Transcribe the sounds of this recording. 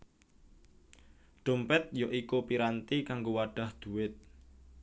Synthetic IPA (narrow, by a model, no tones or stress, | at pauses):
ɖ̥o̤mpɛt̪̚joʔikupiɾant̪ikaŋɡowaɖ̥a̤hd̪̥ṳwɪt̪̚